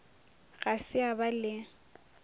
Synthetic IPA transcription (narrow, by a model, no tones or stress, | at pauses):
ɣasɪabalɪ